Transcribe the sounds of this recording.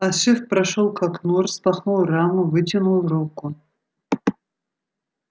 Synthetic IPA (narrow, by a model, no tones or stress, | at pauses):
ɐʃɨfpɾɐʃolˠkʰaknurspɐχnulˠramʊvɨtʲɪnulˠrokːʊ